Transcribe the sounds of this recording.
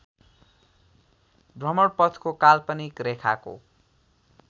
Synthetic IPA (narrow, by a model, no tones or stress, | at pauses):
brʌmʌɽpʌt̪ʰkokalpʌnikrekʰa̰ko̰